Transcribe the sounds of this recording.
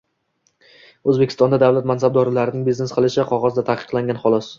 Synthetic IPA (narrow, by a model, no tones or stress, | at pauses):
ɵzbekʲʰɪ̥st̪ɒnd̪ad̪awlat̪̚mansab̚d̪ɒɾɪlaɾɪnɪŋbiznesqʰɨlˠɪʃɪqʰɒʁɒzd̪at̪ʰahqʰɨ̥qlˠaŋʲanχɒlˠɒs